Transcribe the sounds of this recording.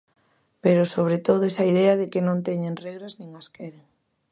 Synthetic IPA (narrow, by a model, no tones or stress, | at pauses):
peɾʊsoβ̞ɾet̪oðʊɛsɐiðɛɐðɪkɪnõnt̪ɛɲeŋrɛɣɾaznĩŋɐskɛɾeŋ